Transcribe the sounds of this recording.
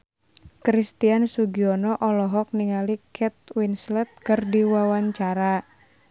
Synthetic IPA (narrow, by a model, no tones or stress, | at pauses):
kɾist̪iansuɡiɔnɔʔɔlɔɦɔk̚niŋalikʰɛt̪̚winslɛt̪̚kɨrdiwawaɲt͡ʃaɾa